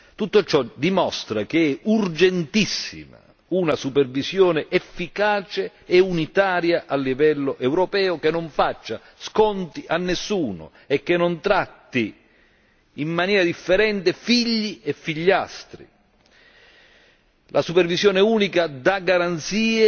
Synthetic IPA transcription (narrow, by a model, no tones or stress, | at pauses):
t̪ut̪ːot͡ʃɔd̪imɔst̪ɾak̟eɛurd͡ʒent̪isːḭma̰ | unasupervisjɔːneʔefːikaːt͡ʃeː | unit̪aːɾjaʔalːivɛlːoʔɛwɾopɛːʊkenːoɱfat͡ʃːa | skɔnt̪iʔanːesːuːnʊ̰ | ɛkːenːont̪ɾat̪ːi | mːanjɛːɾad̪ifːeɾɛnt̪efiʎːiɛfːiʎːast̪ɾḭ | lʔasupɛrvisjɔːneuːnikad̪aɡaɾant̪siːe